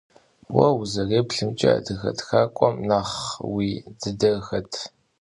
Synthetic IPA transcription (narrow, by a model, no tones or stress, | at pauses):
wɐ̰wzɐreːpɬɨmt͡ʃʼɐ̰dɨxɐ̰txaːkʷʼɔmnaːχwiːdɨdɐxɐtʰ